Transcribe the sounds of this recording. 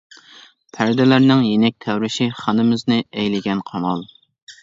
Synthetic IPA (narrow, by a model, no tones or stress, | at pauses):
pʰæɾd̪ɪlæɾnɪŋjenɛk̚ʲt̪ʰɛwɾɪʃiχɑnɨmɪznɨʔɛjlɪɡʲɛnqʰɑmɑlˠ